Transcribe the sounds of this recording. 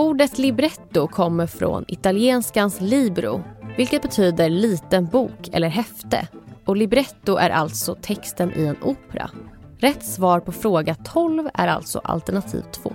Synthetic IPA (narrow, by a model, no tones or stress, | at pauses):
uːɖət̪lɪbɾɛt̪ːʊkʰɔmːəɾfɾo̰nɪt̪alɪeːnskansliːbɾʊ̰vɪlkət̪̚bɛt̪ʰyːd̪əɾɭiːt̪ənbuːkʰɛ̰lːəɾɦɛft̪ə̰ɔlɪbɾɛt̪ːʊʔæɾʔa̰lt̪sɔt̪ʰɛkst̪ənʔø̰ɛnʔuːpɛɾa̰ | ɾɛt̪ːsvɑːɾpʰɔfɾoːɡat̪ʰɔlvæ̰ɾa̰lt̪sɔ̰ʔa̰lt̪ɛɳat̪ʰḭːvt̪ʰːv̥o̰ː